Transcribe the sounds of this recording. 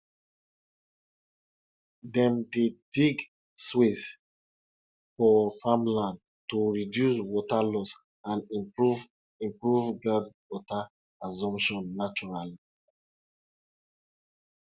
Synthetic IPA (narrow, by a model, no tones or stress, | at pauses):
dɛ̃mdediɡ | swes | fɔfãmlãnd | toɹidjuswɔtalɔs | ãniuv | ĩmpɹuvɡɹadwɔtaː | zɔ̃mpʃɔ̃nːat͡ʃɔɹali